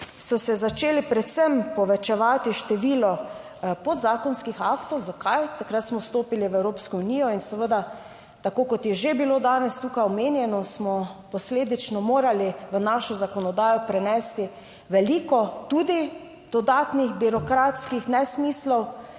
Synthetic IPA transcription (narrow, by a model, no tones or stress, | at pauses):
sɔsɛzat͡ʃeːlipɾɛt̪səmpɔʋɛt͡ʃɛʋaːt̪iʃt̪ɛʋiːlɔ | pɔd̪zaːkɔnskixaːkt̪ɔwzakajt̪akɾat̪smɔst̪oːpiliʋɛwɾoːpskɔunijɔinsɛʋəd̪a | t̪akoːkɔt̪jɛʒebilod̪aːnɛst̪uːkajɔmeːnjɛnɔsmɔpɔsleːd̪it͡ʃnɔmoːɾaliʋənaʃɔzakɔnɔd̪aːjɔpɾɛnɛst̪i | ʋɛlikɔt̪ud̪i | d̪̥ɔd̪aːt̪nixbiɾɔkɾat̪skixnɛsmiːslɔw